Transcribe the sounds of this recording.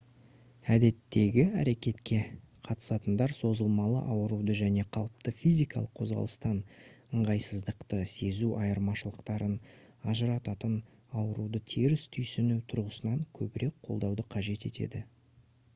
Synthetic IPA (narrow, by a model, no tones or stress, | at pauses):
æd̪e̞t̪ːe̞ɡʲɪæɾe̞kʲe̞t̪kʲe̞ | qʰɑt̪ə̥sɑt̪ənd̪ɑɾso̞zəlˠmɑlˠə̰ʔɑwəɾud̪əʒæne̞qʰɑlˠəp̚t̪əfijzijkɑlˠəqʰo̞zʁɑ̰lˠəst̪ɑnəɴʁɑjsəzd̪əqt̪əse̞zuʔɑjəɾmɑʃəlˠəqt̪ɑɾən | ɑʒəɾɑt̪ɑt̪ən | ɑwəɾud̪ət̪ʰiɾɪst̪ʰʏjsʏnut̪ʰʊɾʁəsənɑŋkʲʰɵbɪɾe̞k̚qʰo̞lˠd̪ɑwd̪əqʰɑʒe̞t̪e̞t̪e̞̰d̪ɪ